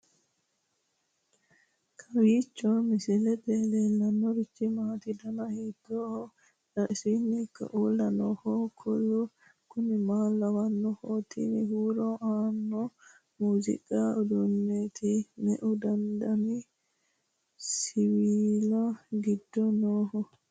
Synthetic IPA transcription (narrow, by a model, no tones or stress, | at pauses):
kʰɐwiːt͡ʃːɔmɪsɛlɛt̪eːleːlːɐnːɔɾɪt͡ʃːɪmaːt̪ɪd̪ɐnɐhiːd̪ːoːhɔ | ɐɪsinːɪkːɐ̰ʔuːlːɐnɔhɔkʰʊlːʊ | kʊnɪmaːlːɐwɐnːɔhoːt̪ʰḭnɪ̰huːɾɔʔaːnːɔ | muːzɪ̰kʼaɔd̪ʊnːeːt̪ʰɪnɛʔʊd̪ɐnd̪ɐnɪ | sɪwiːlɐɡɪd̪ːɔnoːhɔ